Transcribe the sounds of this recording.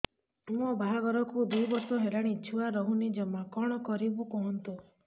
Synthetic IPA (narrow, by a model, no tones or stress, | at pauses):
ũɔbaɦaɡɔɾɔkud̪ujbɔɾsɔɦelaɽ̃it͡ʃʰuaɾɔɦunid͡ʒɔmakɔɽ̃ɔkɔɾibukɔɦɔnt̪u